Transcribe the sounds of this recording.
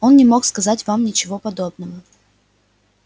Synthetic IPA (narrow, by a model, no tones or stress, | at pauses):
o̞nnʲɪmo̞kskɐzatʲvamnʲɪt͡ɕɪvo̞pɐd̪o̞bnəvə